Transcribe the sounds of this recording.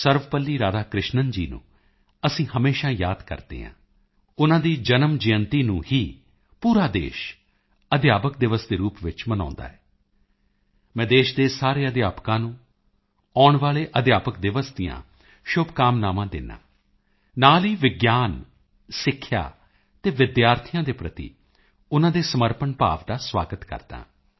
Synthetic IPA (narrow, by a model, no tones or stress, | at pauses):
səɾʋpəlːiːɾaːd̪aːkɾɪʃnənd͡ʒḭːnṵ̃ː | əsĩːhəmeːʃãːjaːd̪kə̰ɾd̪ḛːɦã̰ː | ʊnãːd̪iːd͡ʒənəmd͡ʒɪjənt̪iːnũːhiː | puːɾaːd̪ḛːʃ | əd̪jaːpəkd̪ɪʋəsd̪eːɾuːpʋɪt͡ʃmənã̰ːnd̪a̰ːɦɛː | mɛ̃ːd̪eːʃd̪eːsaːɾeːəd̪jaːpkãːnũː | aːɳʋaːleːʔəd̪jaːpəkd̪ɪʋəsd̪ijã̰ː | ʃʊbkaːmnaːmãːd̪ɪ̰nːa̰ː | naːliːʋɪɡjaːn | sɪkʰːja̰ː | t̪eːʋɪd̪jaːɾt̪ʰɪjãːd̪eːpɾət̪ḭː | ʊnãːd̪eːsəməɾpənpa̰ːʋd̪aːswa̰ːɡət̪kə̰ɾd̪̥ã̰ː